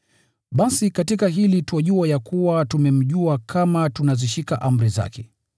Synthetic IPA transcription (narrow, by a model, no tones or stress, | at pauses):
ɓasikatikaɦilituwaʄuajakuwatumɛm̩ʄuakʰamatunaziʃikaʔam̩ɾiza̰kʰɛ